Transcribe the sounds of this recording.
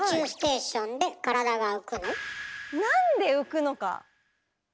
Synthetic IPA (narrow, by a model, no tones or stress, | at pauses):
ɨːsi̥t̪e̞ːɕõ̞nd̪e̞kaɾad̪aɡaɯ̟kɯ̟nonãnd̪e̞ɯ̟kɯ̟no̞ka̰